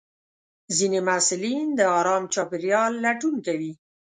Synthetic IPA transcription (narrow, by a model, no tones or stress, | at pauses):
zinemasɪlind̪əɑɾɑmt͡ʃɑpɪɾjɑlːaʈunkawi